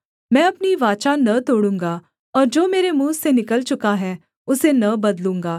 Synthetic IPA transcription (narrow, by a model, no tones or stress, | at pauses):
mɛ̃ːɐpniʋaːt͡ʃanɐt̪oːɽũːŋɡaː | ɔːɾd͡ʒoːmeːɾemũːsenɪkəlt͡ʃʊkaɦɛː | ʊsenɐbɐd̪lũːŋɡaː